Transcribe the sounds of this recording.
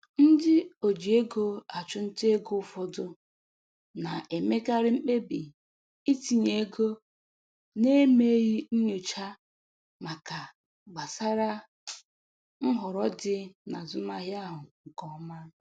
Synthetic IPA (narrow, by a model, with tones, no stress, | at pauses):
n̩˦dɪ˦o˨d͡ʒi˨e˦ɡo˦a˨t͡ʃʊ˦n̩˦te˦e˦ɡo˦fɔ˦dʊ˦ | na˨ʔe˨me˦ka˦ɾɪ˦ŋ͡m̩˦k͡pe˦bi˨ | i˦ti˨ɲe˨e˦ɡo˦ | ne˦me˦ɣi˦n̩˦ɲo˨t͡ʃa˦ | ma˨ka˨ | ɡ͡ba˨sa˦ɾa˦ | ŋ̩˦ɦʊ˨ɾɔ˦dɪ˦na˨zʊ˦ma˦ɦja˦ɦʊ˨ŋ̩˨kɔ˦ma˦